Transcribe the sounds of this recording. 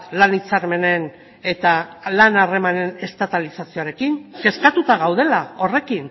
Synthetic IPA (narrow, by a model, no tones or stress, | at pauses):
lanit͡saɾme̞ne̞n | e̞t̪alanare̞mane̞ne̞st̪at̪alisasioaɾe̞kiŋke̞skat̪ut̪aɣ̞awð̞e̞lao̞re̞kin